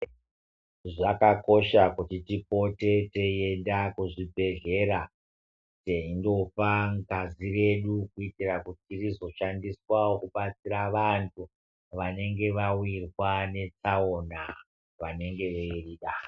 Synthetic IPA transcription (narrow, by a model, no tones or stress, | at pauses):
ʐakako̞ʃakutitipo̞te̞teje̞ndakuʐibʱe̞ɮe̞ra | teindo̞paŋɡazire̞ɗukuitirakutitirizo̞ʃandiswaokuɓat͡siɾaʋantʰu | ʋane̞ŋɡe̞ʋawirwane̞t͡saona | ʋane̞ŋɡe̞ʋeiriɗa